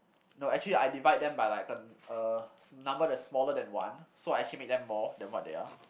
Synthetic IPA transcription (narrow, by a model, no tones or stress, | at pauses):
noɛk̚t͡ʃəliajdivaɪd̚dɛ̃mbajlaɪkəənãmbədɛsmɔlədɛ̃nwã̰nsoaɪɛk̚t͡ʃəlimek̚dɛ̃mːɔdɛ̃nwɔt̚dḛa